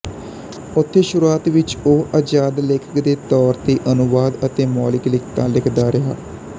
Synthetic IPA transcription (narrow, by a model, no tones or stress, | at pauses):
ʊt̪ʰːeːʃʊɾuaːt̪ʋɪt͡ʃoːʔəd͡ʒaːd̪lɪkʰə̥kd̪eːt̪ɔːɾt̪eːʔənʊʋaːd̪ət̪eːmɔːlɪklɪkʰt̪ãːlɪkʰd̪aːɾɪɦa̰ː